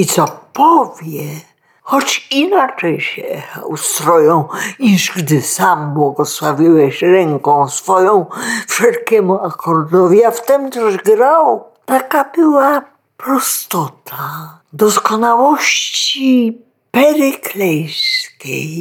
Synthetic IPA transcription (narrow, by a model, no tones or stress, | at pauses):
it̪sɔpɔvʲjɛ | xɔt͡ɕinat͡ʂɛjɕɛ̰ust̪ɾɔjɔ̃w̃ɲiʐɡd̪ɘsambwɔɡɔswavʲiwɛɕɾɛŋkɔ̃w̃sfɔjɔ̃w̃fʂɛlkʲɛmuakʰɔɾd̪ɔvʲiaft̪ɛmt̪ɛʑɡɾaw | t̪akabɘwa | pɾɔst̪ɔt̪ʰa | d̪ɔskɔnawɔɕt͡ɕi | pɛɾɪklɛjskʲḛj